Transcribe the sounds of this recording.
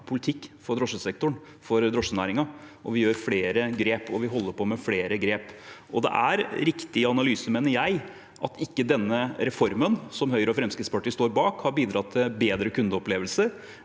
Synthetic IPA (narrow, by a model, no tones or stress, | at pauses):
pʰʊlɪt̪ʰɪkːfɔɾd̪ɾɔʂəsɛk̚t̪ʊɳ | fɔɾd̪ɾɔʂənæːɾɪŋɑɔʋɪjøːɾfleːɾəɡɾeːpɔʋɪɦɔlːəɾpʰɔmɛfleːɾəɡɾeːpʔɔd̪ɛ̰ʔæɾɾɪkt̪ɪɑnɑlyːsəmeːnəɾjæɪ | ʔɑt̪ʰɪkːəd̪ɛnːəɾɛfɔɾmənsɔmhœʏɾəɔfɾɛmskɾɪt̪spɑʈːiːst̪oːɾbɑːkhɑɾbiːd̪ɾɑt̪ʰːɪlbeːd̪ɾəkʰʉnd̪əɔpleːʋəlsəɾ